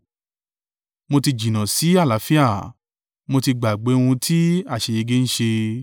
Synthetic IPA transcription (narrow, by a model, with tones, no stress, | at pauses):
mo˧ti˧d͡ʒĩ˨nã˨si˨˦a˦˨la˨˦fi˦a˦˨ | mo˧ti˧ɡ͡ba˨ɡ͡be˨˦wũ˧tʰi˦a˦˨ʃe˨˧je˧ɡe˦n̩˦ʃe˧